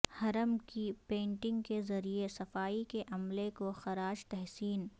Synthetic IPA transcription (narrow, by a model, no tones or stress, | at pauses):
hɐɾəmkipẽːɳʈɪ̃ŋɡkezɐɾiesɐfaːikeʔɐmlekoxɐɾaːd͡ʒt̪ɛɦsiːn